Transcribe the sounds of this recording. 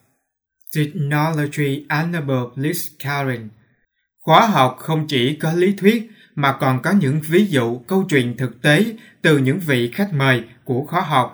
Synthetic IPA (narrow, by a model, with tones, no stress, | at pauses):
t̪i˨˩k̚nɔ˧lo˧t͡ɕi˧ʔa˧na˧ɓəː˨˩pli˦˥ska˧zi˧˩n | xwaː˨˦ɦa˨˩wk͡p̚xə˧wŋ͡mt͡ɕi˧˩kɔ˨˦li˨˦t̪ʰwi˦˥ət̚ | maː˨˩kɔ˨˩nkɔ˨˦ɲɨ̰˧˥ŋvi˨˦zṵ˧˨kə˧wt͡ɕwḭ˧˨nt̪ʰɨ˨˩k̚t̪e˨˦ | t̪ɨ˨˩ɲɨ̰˧˥ŋvḭ˧˨xa˦˥jk̟̚məː˨˩jku˧˩əxwaː˨˦ɦa˨˩wk͡p̚